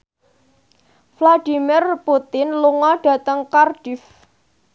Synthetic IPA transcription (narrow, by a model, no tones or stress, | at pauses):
flaɖ̥i̤mɪrput̪ɪnluŋɔɖ̥a̤t̪əŋkarɖ̥if